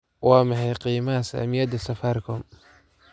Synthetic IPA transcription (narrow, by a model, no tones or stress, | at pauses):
wʔɑːmɐħɑjqiːmɐɐsɐ̰mɪjɐd̪ɐsɐfaːrkʰɔm